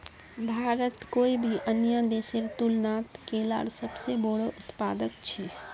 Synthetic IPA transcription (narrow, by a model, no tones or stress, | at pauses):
bʱaːɾət̪koːibʱiʔənjad̪eːseɾt̪ulnaːt̪keːla̰ːɽsəbseboːɽoʔʊt̪paːd̪ək̚t͡ʃʰɛː